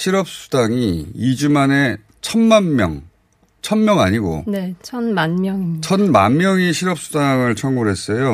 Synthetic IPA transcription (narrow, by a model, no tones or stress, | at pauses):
ɕʰiɾʌp̚s͈u̥daŋiid͡ʑumane̞ | t͡ɕʰʌnmanmjʌ̰ŋ | t͡ɕʰʌnmjʌŋa̰ɲiɡo̰net͡ɕʰʌnmanmjʌŋit͡ɕʰʌnmanmjʌŋiɕʰiɾʌp̚s͈udaŋɯɭt͡ɕʰʌŋɡuɾɦe̞s͈ʌjo